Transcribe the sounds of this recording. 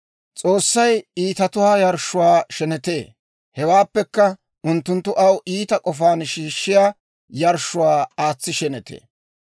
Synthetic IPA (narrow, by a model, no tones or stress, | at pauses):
t͡sʼo̞ːsːɐjiːt̪ɐt̪ʊwaːjɐɾʃːʊwaːʃɛnɛt̪eː | hɛwaːpːɛkːɐ | ʊnt̪ːʊnt̪ːʊʔɐwʔiːt̪ɐkʼɔfaːnʃiːʃːɪjaː | jɐɾʃʊwaːaːt͡sːɪʃɛnɛt̪ʰḛː